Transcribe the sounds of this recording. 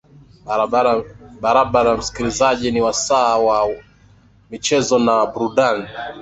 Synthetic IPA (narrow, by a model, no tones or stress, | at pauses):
ɓaɾaɓaɾaam̩si̥kilizaʄiniwasaːwa | mit͡ʃɛzɔnabuɾudani